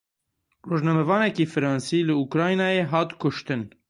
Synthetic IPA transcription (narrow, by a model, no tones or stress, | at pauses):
roːʒnɑmɛvɑːnɛkiːfɨɾɑːnsiːlɨukɾɑːjnɑːjeːɦɑːt̪kʰʊʃt̪ɨn